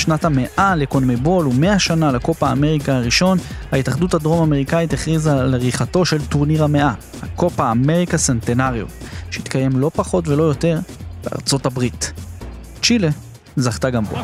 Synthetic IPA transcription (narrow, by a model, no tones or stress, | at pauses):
ʃnathame̞ʔale̞konmebo̞lume̞aʃanalako̞paaːme̞ʁikaaʁiʃo̞n | haitaχduthadʁo̞mame̞ʁikaiteχʁizaleʁiχato̞ʃe̞ltuʁniʁameʔa | hako̞paaːme̞ʁikasentenaʁjo̰tʃeit̪kaje̞mlo̞paχo̞tve̞lo̞jote̞ʁb̥ea̰ʁt͡so̞tabʁit | t͡ʃile | zaχtaɡambo̰